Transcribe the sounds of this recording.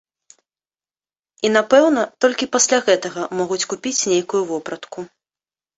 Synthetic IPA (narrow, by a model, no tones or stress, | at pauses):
inapɛwnɐt̪ɔlʲkʲipasʲlʲaɣɛt̪ɐɣɐmɔɣut͡sʲkupʲit͡sʲnʲejkujuvɔpɾɐt̪ku